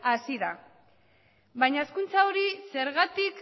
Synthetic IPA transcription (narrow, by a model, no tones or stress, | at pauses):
asiða | βajɲaeskunt͡saoɾise̞ɾɣat̪ik